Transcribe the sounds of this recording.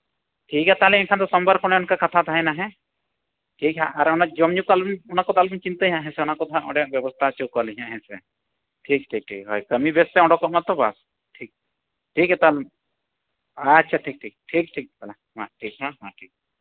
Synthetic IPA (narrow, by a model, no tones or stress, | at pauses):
ʈʰikɛt̪alɛɛ̃nkʰant̪ɔsɔmbaɾkʰɔɽ̃ɛʊnkakat̪ʰat̪ʰaɦɛnaɦɛ̃ | ʈʰikɦaaɾɔnad͡ʒɔmɲukalbnɔnakɔt̪albint͡ʃint̪eɦĩãʔɦɛ̃sɛɔnakɔt̪ʰaʔɔ̰̃ɖɛʔ̚bjɔbɔst̪ʰat͡ʃokalɦĩãʔɦɛ̃sɛ̰ | ʈʰik̚ʈʰik̚ʈʰḭkɦɔjkəmibɛst̪ɛɔ̃ɽɔkɔʔmat̪ɔba̰s | ʈʰik̚ | ʈʰikɦɛt̪al | atːʃʰaʈʰik̚ʈʰik̚ʈʰik̚ʈʰik̚pɛla | mã̰ʈʰikɦãmã̰ʈʰik̚